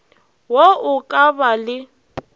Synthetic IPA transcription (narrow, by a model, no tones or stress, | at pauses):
woʊkʼabalɪ